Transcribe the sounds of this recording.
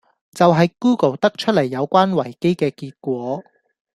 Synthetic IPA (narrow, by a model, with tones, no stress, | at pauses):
t͡sɐ˨wɦɐ˨jkuː˥ko˨˩wt̪ɐ˥k̚t͡ʃʰɵ˥t̚lɐ˨˩jːɐ˨˧wkʷaː˥nwɐ˨˩jke˥jkɛː˧kiː˧t̚kʷɔː˨˥